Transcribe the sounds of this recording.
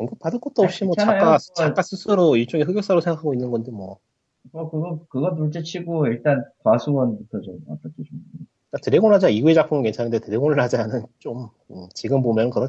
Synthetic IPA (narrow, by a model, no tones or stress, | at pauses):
koŋɡɯp͈adɯɭk͈ʌt̚t͈oop̚ɕ͈imwʌt͡ɕak͈at͡ɕak͈as͈ʰusʰɯɾoiɭt͡ɕ͈oŋeɸɯɡjok̚s͈aɾosʰeŋɡakʰaɡoinːɯnɡʌndomwʌ | kɯɾʌk͈ɯɡʌkɯɡʌtuɭt͡ɕ͈et͡ɕʰiɡoiɭt͈ankwasʰuɡʌnbutʰʌd͡ʑoa̰pʰat͈ʰet͡ɕʰo | k͈atɯɾeɡonɭɦad͡ʑiaiɡue̞d͡ʑapʰɯmɯnkwe̞nt͡ɕʰanɯndetɯɾeɡonɯɭɦad͡ʑiɦanɯnt͡ɕ͈om | ɯt͡ɕiɡɯmbomjʌnnkɯɡʌ